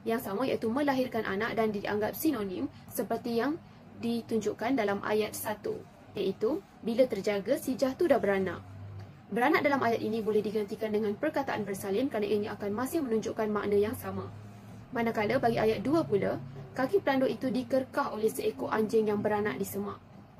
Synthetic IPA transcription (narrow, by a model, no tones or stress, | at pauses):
jaŋsamãja̰ʔit̪umə̃laɦirkanʔa̰naʔdandiʔa̰ŋɡap̚sinonĩm | səpərt̪ijaŋ | dit̪uɲd͡ʒuʔkandalamʔa̰jat̪̚sat̪ṵ | jaʔit̪u | bilat̪ərd͡ʒaɡəsid͡ʒaht̪udahbəɾanã̰ʔ | bəɾanãʔdalamajat̪inĩbolɛhdiɡant̪ikandəŋãnpərkat̪aʔanbərsalɪmkɾanaʔiɲaakanmãsɪhmənuɲd͡ʒuʔkanma̰ʔnə̃jaŋsamã | manakaləbaɡiajat̪̚duapulakakipəlandoʔit̪udikərkaholɛhsəekoʔaɲd͡ʒɪŋjaŋbəɾana̰ʔdisəmaʔ